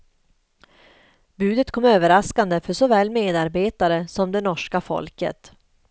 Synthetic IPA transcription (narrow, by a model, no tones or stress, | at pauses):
bʉ̟ːd̪ət̪kʰɔmːøːvəɾaskand̪əfœʂɔvɛːlmeːd̪aɾbeːt̪aɾəsɔmd̪ɛnɔʂkafɔ̰lkə̰t̪